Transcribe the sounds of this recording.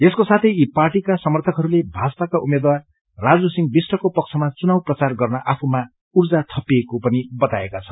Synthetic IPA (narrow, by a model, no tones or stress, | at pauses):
eskosat̪ʰʌjiparʈikasʌmʌrt̪ʰʌkɦʌɾulebʱat͡spakaʔumed̪wa | rad͡zusiŋbisʈʌkopʌk̚t͡sʰʌmat͡sunawprʌt͡sarɡʌrnʌʔapʰuma | urd͡zat̪ʰʌpiekopʌnibʌt̪aekat͡sʰʌ̥n